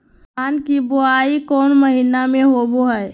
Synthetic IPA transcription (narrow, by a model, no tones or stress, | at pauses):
kaːnkiboaikɔːnməɦinameɦoboɦɛɛ